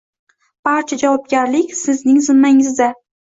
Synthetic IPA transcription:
b̥aɾt͡ʃʰad͡ʒavɒb̚ɡʲaɾlɪkʲsɪznɪŋzɪmːaŋɪzd̪a

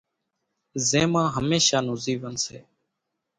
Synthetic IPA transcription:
zẽːmãːɦəmeːʃaːnʊziːʋənseː

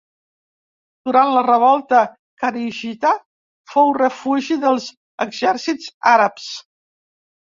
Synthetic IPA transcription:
d̪̥uɾant̪lərəβɔlˠt̪ə | kaɾiʒit̪a | fowrəfuʒiðəlˠz | əɡzɛɾsidzaɾəps

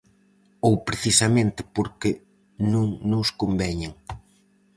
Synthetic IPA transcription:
owpɾeθisamẽnt̪ɪ̥poɾkɪ | nõŋnʊskombɛɲeŋ

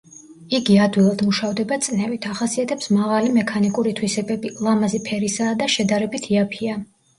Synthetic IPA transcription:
iɡiad̪wilˠad̪muʃavd̪ɛbat̪sʼnɛvit̪ʰaχasiat̪ʰɛpsmaʁalimɛkʰanikʼuɾit̪ʰwisɛbɛbilˠamazipʰɛɾisaːd̪aʃɛd̪aɾɛbit̪ʰiapʰia

